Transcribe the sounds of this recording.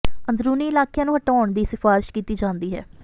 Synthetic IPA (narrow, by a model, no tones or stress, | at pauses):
ənd̪ɾuːniːɪlaːkɪjãːnũːɦəʈaːɳd̪iːsɪfaːɾɪʃkiːt̪iːd͡ʒãːnd̪iːɦɛ̰ː